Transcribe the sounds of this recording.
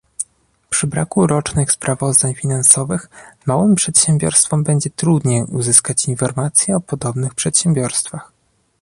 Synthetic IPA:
pʂɘbɾa̰kuɾɔt͡ʂnɘxspɾavɔzd̪aɲfʲinansɔvɘxmawɘmpʂɛt̪ɕɛmbʲjɔ̰ɾst̪fɔmbɛɲd͡ʑɛt̪ɾud̪ɲejuzɘskat͡ɕinfɔɾmat̪sʲjɛɔpɔd̪ɔbnɘxpʂɛt̪ɕɛmbʲjɔɾst̪fax

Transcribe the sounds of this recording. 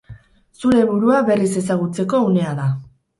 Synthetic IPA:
suɾe̞βuɾuaβe̞rise̞s̬aɣ̞ut͡se̞ko̞une̞aða

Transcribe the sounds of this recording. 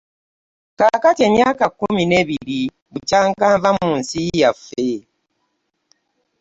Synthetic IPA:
kakateɲakakumineβiɾi | βut͡ʃaŋkaɱvamuːnsijafe

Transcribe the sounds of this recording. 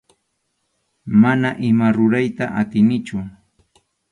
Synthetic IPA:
manaʔɪmaɾʊɾajt̪aʔat̪ɪnɪt͡ʃʊ

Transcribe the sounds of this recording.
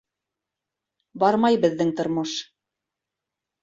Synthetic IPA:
bɑɾmɑjbɘ̆ðːɘŋt̪ŏɾmoʃ

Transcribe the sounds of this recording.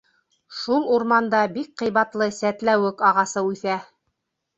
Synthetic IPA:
ʃulˠuɾmɑnd̪ɑbik̚qɤ̆jβɑt̪lˠɤsæt̪læwɘkɑʁɑsɤʉθæ

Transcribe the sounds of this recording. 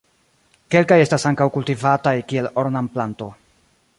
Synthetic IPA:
ke̞lkaje̞stasaŋkawkultivatajkie̞loɾnamplanto̞

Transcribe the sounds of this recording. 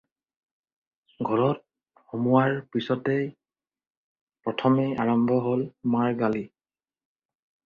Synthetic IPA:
ɡʱɔɹɔt̚ | xomuwaɹpisɔtɛ | pɹɔtʰɔmeaɹɔmbʱɔɦolmaɹɡali

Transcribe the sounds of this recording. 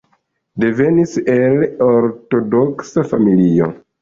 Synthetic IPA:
de̞ve̞nise̞loɾto̞doksafamilio̰

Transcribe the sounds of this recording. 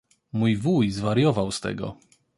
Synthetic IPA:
mujvujzvaɾjɔvawst̪ɛ̰ɡɔ̰

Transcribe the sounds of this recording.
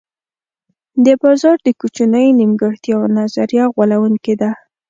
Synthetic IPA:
d̪əbɑzɑɾd̪əkut͡ʃunəjnimɡəxt̪jɑwnazaɾjaɣwalawuŋked̪a

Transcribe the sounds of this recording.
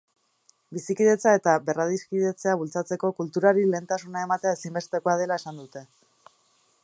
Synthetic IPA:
bisikiðe̞t͡sae̞t̪abe̞raðiskiðe̞t͡se̞aβ̞ult͡sat͡se̞ko̞kult̪uɾaɾile̞ːnt̪asunae̞mat̪eaesimbe̞st̪e̞koað̞e̞lae̞sand̪ut̪e̞

